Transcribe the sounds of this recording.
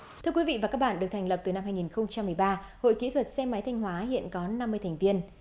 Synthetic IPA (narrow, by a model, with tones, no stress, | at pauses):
t̪ʰɨ˧əkwi˨˦vḭ˧˨vaː˨˩kaː˦˥k̚ɓ̰aː˧˨ɗɨ˨˩ək̚t̪ʰŋ̟lə˩p̚t̪ɨ˨˩na˧mɦaː˧jŋi˨˩nxə˧wŋ͡mt͡ɕa˧mːɨ˨˩əjɓaː˧ | ho̰˧˨jki˧˥t̪ʰwə˨˩t̚sɛ˧ma˨˦jt̪ʰjŋ̟ɦwaː˨˦ɦḭ˧˨ənkɔ˨˦na˧mːɨ˧əjt̪ʰŋvi˧ən